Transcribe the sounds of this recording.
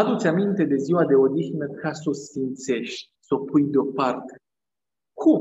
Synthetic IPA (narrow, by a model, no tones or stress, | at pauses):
ad̪ut̪sʲamint̪e̞d̪e̞ziwad̪e̞o̞d̪ixnəkʰaso̞sfimt̪se̞ʃt̪ʲso̞pujd̪eo̞part̪e̥ | kʰum